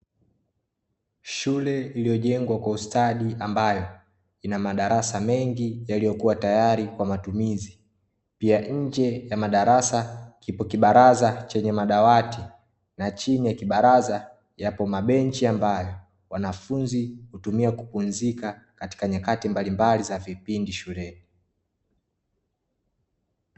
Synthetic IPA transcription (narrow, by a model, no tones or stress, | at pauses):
ʃulɛilijɔʄɛŋɡwakwaustaɗiʔambajɔ | inamaɗaɾasamɛŋɡijalijɔkuwatajaɾikwamatumizi | piaɲ̩d͡ʒɛjamaɗaɾasakipɔkiɓaɾazat͡ʃɛɲɛmaɗawati | nat͡ʃinijakiɓaɾaza | japɔmaɓɛnt͡ʃiambajɔ | wanafunzihutumiakupunzikakati̥kaɲakatimbalimbalizavipindiʃulɛni